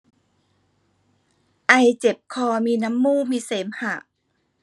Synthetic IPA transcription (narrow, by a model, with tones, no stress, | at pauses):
ʔa˧jt͡ɕe˨˩p̚kʰɔː˧miː˧na˧˥mːuː˥˨miː˧seː˩˦mha˨˩ʔ